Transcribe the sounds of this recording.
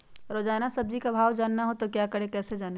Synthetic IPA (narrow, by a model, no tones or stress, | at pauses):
ɾoːd͡ʒaːnasəb̚d͡ʒikabʱaːwd͡ʒaːnːaɦot̪okjakəɽekɛːsed͡ʒaːne